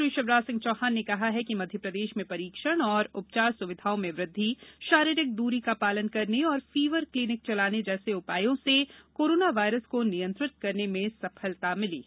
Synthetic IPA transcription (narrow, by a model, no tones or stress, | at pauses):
ɾiʃəʋɾaːsɪ̃ŋɡt͡ʃɔːɦaːnːekɐɦaɦɛkimɐd̪ʱjəpɾɐd̪eːʃmẽpɐɾiːkʃəɽ̃ɔːɾʊp̚t͡ʃaːɾsʊʋɪd̪ʱaːõmẽʋɾɪd̪ʱːiʃaːɾiɾɪk̚d̪uːɾikapaːlənkɐɾneɔːɾfiːʋəɾkliːnɪk̚t͡ʃɐlaːned͡ʒɛːseʊpaːjõsekoːɾoːnaʋaːɪɾəskonɪjə̃nt̪ɾɪt̪̚kɐɾnemẽsɐfʰəlt̪amɪlḭː